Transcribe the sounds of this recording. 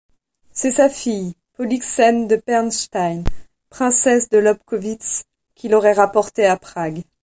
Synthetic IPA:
sɛsafij | pɔliksɛnd̪əpɛʁnʃt̪ajn | pχɛ̃sɛsd̪əlɔp̚kɔvit̪s | kʲilɔʁɛʁapɔʁt̪eapχaɡ

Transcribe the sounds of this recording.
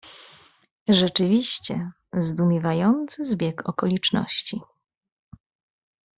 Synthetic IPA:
ʐɛt͡ʂɘvʲiɕt͡ɕɛ | zd̪umʲjɛvajɔnt̪sɘzbʲjɛkɔ̰kɔlʲit͡ʂnɔ̰ɕt͡ɕi

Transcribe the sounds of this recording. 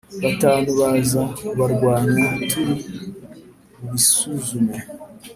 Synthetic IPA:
βataːnuβazauβaɾɡwaːniβitʰuɾu | muβisuzume

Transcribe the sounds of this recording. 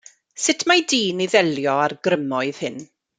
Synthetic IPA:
sɪtʰmajdiːniðɛljɔarɡrəmɔɨð̥hɪn

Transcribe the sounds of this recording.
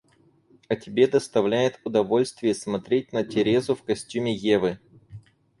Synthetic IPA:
ɐtʲɪbʲe̞d̪əst̪ɐvlʲæjɪt̪ʊd̪ɐvo̞lʲst̪vʲɪjəsmɐt̪ɾʲet̚ʲnətʲɪɾʲezʊfkɐsʲtʲumʲɪjevɨ

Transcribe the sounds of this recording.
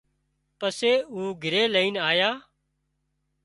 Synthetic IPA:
pəseːuːɡʱɪɾeːləiːnaːjãː

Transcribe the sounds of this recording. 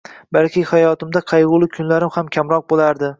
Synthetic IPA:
balkʲʰɪhajɒt̪ɪmd̪aqʰɑjʁʊlˠɪkʲʰʊnlaɾɪmhamkʲʰamɾɒq̚bolaɾd̪ɪ

